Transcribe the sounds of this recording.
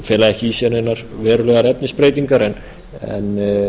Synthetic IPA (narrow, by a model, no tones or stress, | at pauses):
fjɛːlaðɛhcɪisjɛɾnenːaɾ̥vɛːɾʏlœːɣaɾɛpnɪspɾeːjt̪iŋkaɾɛn | ɛ̰n